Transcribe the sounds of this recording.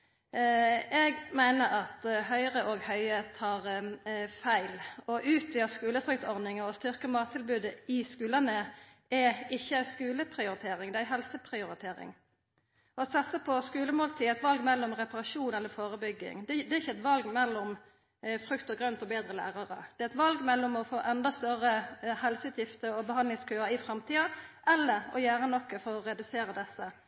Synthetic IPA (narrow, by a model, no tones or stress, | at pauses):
ɛɡmæɪnəɾɑt̪hœʏʁəʔɔɡhœʏət̪ʰɑːʁ | fæɪlɔʔʉːt̪ʰʋiːəskʉːləfʁʏk̚t̪ɔʁd̪ɪŋəɔst̪ʏʁkəmɑːt̪ʰːɪlbʉːd̪əɪskʉːlɑnə | ɛɪçːəæɪskʉːləpʰɾɪʊɾɪt̪ʰeːɾɪŋd̪ɛæɦɛlsəpʰʁɪʊɾɪt̪ʰeːɾɪ̰ŋ | ɔsɑt̪səpʰɔskʉːləmoːlt̪ʰiːɛɪt̪ʋɑlɡmɛlːɔmʁɛpɑʁɑʂuːnɛlːəfoːɾəbʏɡːɪ̰ŋd̪ɛd̪ɛɾɪçːəɛt̪ʋɑlɡmɛlːɔm | fɾʉkt̪əɡʁœnt̪ɔbeːd̪ɾəlæ̰ːʁɑʁə̰d̪̥ɛæɛt̪ʋɑlɡmɛlːɔmɔfoːʔɛnd̪ɑst̪œrəhɛlsəʉːt̪jɪft̪əɔbəɦɑnd̪lɪŋskʰʉəɪfɾɛmt̪ʰiːɑʔɛlːəɾɔ̰jæːɾənɔkːəfɔɾɔɾɛd̪ʉseːɾəd̪ɛsːə